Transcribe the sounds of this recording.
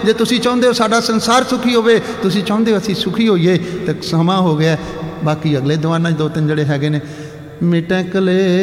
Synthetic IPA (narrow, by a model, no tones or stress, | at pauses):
d͡ʒeːt̪ʊsĩːt͡ʃãːʊ̃ːnd̪eːoːsaːɖaːsənsaːɾsʊkʰiːɦoːʋeː | t̪ʊsĩːt͡ʃãːʊ̃ːnd̪eːoːəsĩːsʊkʰiːɦoːiːeːt̪ẽsəmãːɦoːɡɪaː | baːkiːəɡleːd̪ʊʋãːnãːt͡ʃd̪oːt̪ɪnd͡ʒeːɽeːɦɛːɡeːneː | mɪʈɛ̃ːkəleː